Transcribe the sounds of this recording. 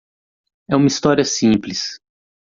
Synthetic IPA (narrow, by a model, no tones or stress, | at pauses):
ɛũmɐist̪ɔɾiɐsĩplis